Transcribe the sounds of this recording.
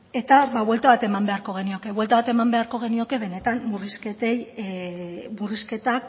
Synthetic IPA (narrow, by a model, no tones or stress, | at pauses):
e̞t̪aβaβwelt̪aβat̪e̞mambe̞aɾko̞ɣ̞e̞nio̞ke̞βwelt̪aβat̪e̞mambe̞aɾko̞ɣ̞e̞nio̞ke̞βe̞ne̞t̪amburisket̪ej | buriske̞t̪ak